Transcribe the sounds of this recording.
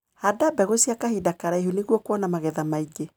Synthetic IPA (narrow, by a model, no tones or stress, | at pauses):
adabɛɣosiakahidakaɾaeɦuneɣwɔkwɔnamaɣɛðamaiɡe